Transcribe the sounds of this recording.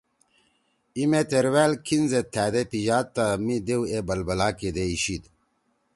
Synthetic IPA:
imet̪eɾwæːlkʰinzet̪ʰːæːd̪epiʑaːt̪ːamid̪ewebɐlbɐlaːked̪eiɕid̪

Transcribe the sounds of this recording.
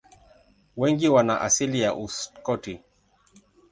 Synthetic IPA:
wɛŋɡiwanaʔa̰silijaʔuskɔti

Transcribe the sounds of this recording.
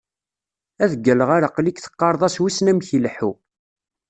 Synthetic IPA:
æðəɡːələʁaɾaqlikθə̥qːɑɾˤðˤɑswisnæmçilħu

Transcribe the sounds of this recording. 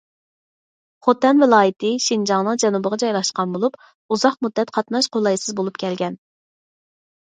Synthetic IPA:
χot̪ɛnvɪlˠɑːjɪt̪ʰɪʃind͡ʒɑŋnɨŋd͡ʒɛnubəʁɑd͡ʒɑjlˠɑʃqɑnbolˠup | uzɑχ̚mud̪ːɛt̪qʰɑt̪nɑʃqʰolˠɑjsɨzbolˠupkʲʰɛlɡʲɛn

